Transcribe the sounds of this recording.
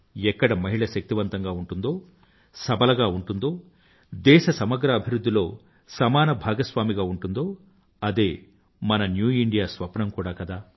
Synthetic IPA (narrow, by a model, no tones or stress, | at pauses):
ɛkːɐɽɐmɐɦiɭɐʃɐk̚t̪iʋɐnt̪ɐŋɡaːuɳʈund̪o̞ː | sɐbɐlɐɡaːuɳʈund̪o̞ː | d̪ɛːʃɐsɐmɐɡɾɐːbʱiɾud̪ːilo̞ː | sɐmaːnɐbʱaːɡɐsʋaːmiɡaːuɳʈund̪o̞ː | ɐd̪e̞ː | mɐnɐnjuːiɳɖijaːsʋɐpɐnɐmkuːɽaːkɐd̪aː